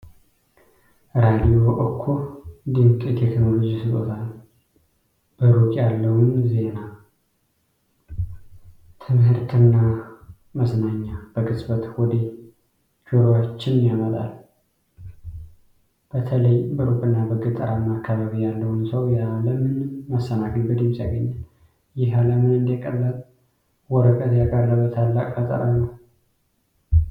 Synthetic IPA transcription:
ɾad̪ijo̞ʔokʰːo̞d̪ɨŋkʼit̪ʰekno̞lo̞d͡ʒisɨk̪ʼo̰t̪ʰal | b̥əɾukʼjalːəwunze̞na | t̪ʰɨmhɨɾt̪ʰɨnːa | məsnaɲːab̥əɡɨsʼbət̪wɔd̪e | d͡ʒuɾowat͡ʃːɪnjamət̪ʼa̰l | b̥ət̪ʰələjbəɾubʼɨnːabəɡɨt̪ʼəɾamːakʰːaβaβijalːəhnsəwjaləmɨnmːəsːənakənɡɨd̪ɨmsjaɡəɲːal | jɪɦaləmɨnɨnd̪ekʼəlːəl | wɔɾəkʼət̪jakʼəɾləβət̪ʰalːakʼfət̪ʼə̰ɾanəw

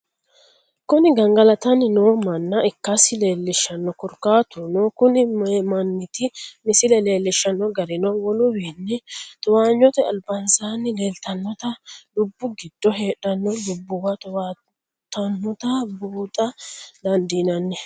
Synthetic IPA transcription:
kʊnɪɡɐŋɡɐlɐt̪ɐnːɪnoːmɐnːɐɪkːɐsɪle̞ːlːɪʃːɐnːɔkʊɾkaːt̪ʊnoːkʊnɪmmɐnːɪt̪ɪmɪsɪlɛle̞ːlːɪʃːɐnːɔɡɐɾɪnɔwɔlʊwiːnːɛt̪ʊwaːɲːɔt̪ɛɐ̰lbɐnsaːnːɪle̞ːlt̪ɐnːɔt̪ɐlʊbːʊɡɪd̪̥ːɔɦe̞ːᶑɐnːɔdʊbːʊwɐt̪ʊwa | t̪ɐnːɔt̪ɐbuːt̪ʼɐd̪ɐnd̪iːnɐnːɛ

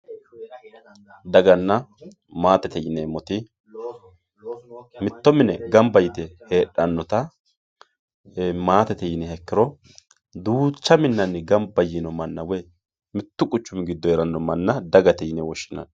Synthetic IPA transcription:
d̪ɐɡɐnːɐ | maːt̪ɛt̪ɛjɪneːmɔt̪ɪ | mɪt̪ːɔmɪnɛɡɐmbɐjɪt̪ɛheːᶑɐnːɔt̪ɐ | maːt̪ɛt̪ɛjɪnɛhɛkːɪɾɔ | d̪uːt͡ʃːɐmɪnːɐnːɪɡɐmbɐjɪnɔmɐnːɐwe | mɪt̪ːʊkʼʊt͡ʃːʊmɪɡɪd̪ːɔɛɾɐnːɔmɐnːɐd̪ɐɡɐt̪ɛjɪnɛwɔʃːɪnɐ̰n

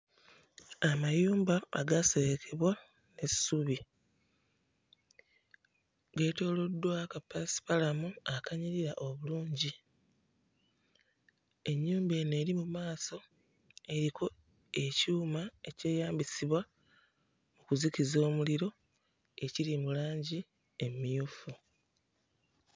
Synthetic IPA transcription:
amajuːmba̰ːɡaseβekʰe̞βwa | ne̞ssuβi | ɡe̞ːto̞ːlo̞dːwakapasi̥palamuakaɲiɾiɾaʔoβuluːɲɟi | e̞ɲːuːmbe̞ːne̞ːɾimumaːso̞ | e̞ɾikʰo̞ | e̞cuːmae̞ce̞ːjaːmbisiβwa | mukuzicizo̞ːmuliɾo̞ | e̞ciɾimulaːɲɟi | e̞mijufu

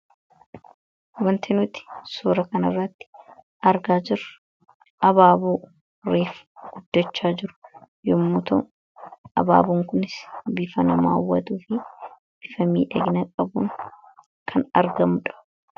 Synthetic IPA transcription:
wɐnt̪ʰɪnʊt̪ɪ̥suːɾɐkɐnɐrːɐt̪ːɪ̥ | ʔɐɾɡaːd͡ʒɪɾɐ̥ | ʔɐbaːbuː | ɾeːfɡ̥ʊd̪ːɐt͡ʃːaːd͡ʒɪɾʊ̥ | jɔmːut̪ʊ̰n | ʔɐ̰ba̰ːbuŋkʊnɪsbɪfɐnɐma̰ːwːɐt̪uːfɪ | b̥ɪfɐmḭːᶑɐ̰ɡɪnɐkʼɐbuŋ | kʰɐnɐɾɡɐmʊᶑɐ̥

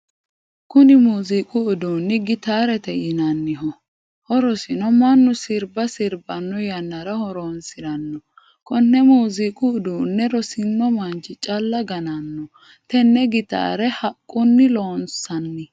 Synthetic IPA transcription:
kʊnɪmuːzikʼʊʊd̪uːnːɪɡɪt̪aːɾɛt̪ɛjɪnɐnːɪɦɔ | hɔɾɔsɪnɔmɐnːʊsɪɾbɐsɪɾbɐnːɔjɐnːɐɾɐhɔɾonsɪɾɐnːɔ | kɔnːɛmuːzikʼʊːd̪uːnːɛɾɔsɪnːɔmɐnt͡ʃɪt͡ʃʼɐlːɐɡɐnɐnːɔ | t̪ɛnːɛɡɪt̪a̰ːɾɛhɐkʼːʊnːɪloːnsɐnːɪ

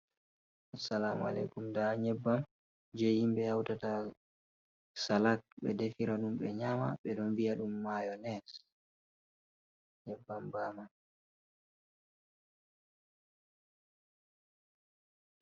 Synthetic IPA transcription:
asːalama̰lɛ̰kumdaɲɛbːam | d͡ʒejimɓɛjawtata | salak̚ɓɛ̰defiɾaɗumɓɛɲama̰ɓɛɗɔnvijaɗumːajɔnɛs | ɲɛbːambaːman

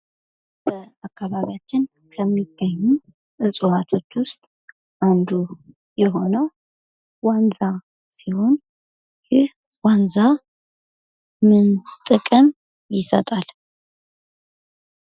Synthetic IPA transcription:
b̥əakʰːaβaβijat͡ʃːɪn | kʰəmːiɡ̥ːəɲːu | ʔɨsʼuwat̪ʰo̞t͡ʃːwʊst̪ʼ | ʔand̪u | jɛɦo̞nəw | wanza | siho̞n | jɪh | wanza | mɨnt̪ʼɨkʼəm | jɪsət̪ʼal

